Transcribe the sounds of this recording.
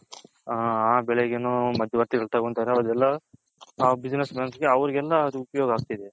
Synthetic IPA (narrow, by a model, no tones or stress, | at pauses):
aːbɛɭeɡenuːmɐd̪ʱjɐʋɐɾt̪iɡɐɭt̪ɐkoɳt̪aːɾeɐʋɐd̪ɛlːɐ | bid͡ʒinesmeːnsɡeɐʋɐɾiɡɛlːɐd̪uupɐjoːɡɐaːɡ̚t̪id̪e